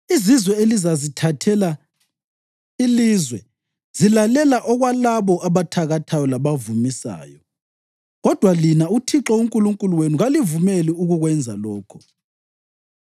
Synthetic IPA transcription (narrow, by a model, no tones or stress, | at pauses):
izizwɛelizazitʰatʰɛla | ilizwɛ | z̥ilalɛlaʔɔɣwalaβɔʔaβatʰaɣatʰajɔlaβavumisa̰ːjɔ | ɣɔd̥ʱwalinautʰiǁɔuŋkʼuluŋkʼuluwenuɣalivumɛliuɣuɣwɛnd͡zʱalɔːkʰɔ̥